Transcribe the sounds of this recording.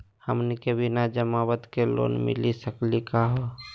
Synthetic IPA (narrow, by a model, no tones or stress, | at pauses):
həmnikebʱinad͡ʒəmawət̪kelo̰ːnmɪ̰lisəklikaɦo